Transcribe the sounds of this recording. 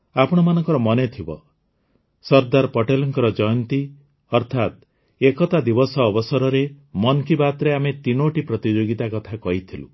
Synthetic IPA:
apɔɽ̃ɔmanɔŋkɔɾɔmɔnet̪ʰibɔ̰ | sɔɾd̪aɾpɔʈelɔŋkɔɾɔd͡ʒɔjɔnt̪i | ɔɾt̪ʰat̪ | ekɔt̪ad̪ibɔsɔːbɔsɔɾɔɾemɔnkibat̪ɾeamet̪inoʈipɾɔt̪id͡ʒoɡit̪akɔt̪ʰakɔɦit̪ʰilṵ

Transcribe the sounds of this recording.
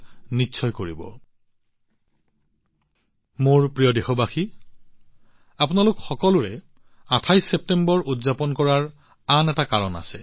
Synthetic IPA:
nitːsʰɔjkoɹibɔ̰ | moɹpɹijɔdexɔbaxi | apʊnalʊkxɔkɔlʊɹɛ | atʰajsep̚tembɔɹʔudzapɔnkɔɹaɹ | anɛtakaɹɔna̰sɛ

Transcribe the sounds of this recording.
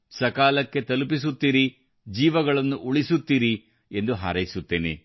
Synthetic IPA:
sɐkaːlɐkːe̞t̪ɐlupis̬ut̪ːiːɾi | d͡ʒiːʋɐɡɐɭɐnːuʔuɭisut̪ːiːɾi | e̞nd̪uɦa̰ːɾɐjisut̪ːe̞ːnḛ

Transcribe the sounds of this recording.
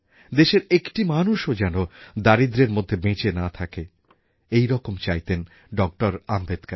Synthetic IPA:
d̪eʃeɾekʈimanuʃod͡ʑɛnod̪aɾid̪ɾeɾmod̪ʱːebẽt͡ɕenat̪ʰake | ejɾɔkomt͡ɕajt̪en | ɖɔk̚ʈoɾambed̪kaɾ

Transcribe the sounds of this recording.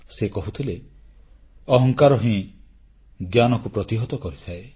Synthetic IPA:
sekɔɦut̪ʰile | ɔɦɔŋkaɾɔɦĩ | ɡjanɔkupɾɔt̪iɦɔt̪ɔkɔɾit̪ʰae

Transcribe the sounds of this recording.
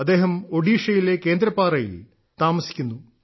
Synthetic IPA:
ɐd̪ːe̞ːɦɐmo̞ɖiːʂɐjile̞ke̞ːnd̪ɾɐpːaːrɐjḭl | t̪aːmɐsi̥kʲːunːu

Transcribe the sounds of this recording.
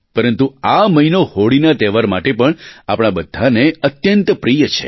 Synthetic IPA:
pəɾənt̪uaməinohoɽinat̪ɛʋaɾmaʈepəɳapɽ̃abəd̪ʱːaneət̪jənt̪pɾijət͡ʃʰḛ

